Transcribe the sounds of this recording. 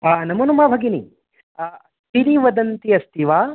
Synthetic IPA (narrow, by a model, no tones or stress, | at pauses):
anɐmɐnumaːbʱɐɡini | t̪iɾiʋɐd̪ɐnt̪iɐst̪ʰiʋaː